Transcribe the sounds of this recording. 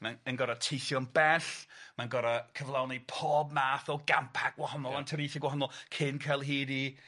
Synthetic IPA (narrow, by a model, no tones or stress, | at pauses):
manənɡɔɾatʰejθjɔnbɛɬmanɡɔɾakʰəvlˠawnipʰɔːb̚maːθɔɡampʰaɡ̚wahɔnɔlˠantʰəɾijθɪɡwaɔnɔlˠkʰɪnkʰɛlˠɦiːdi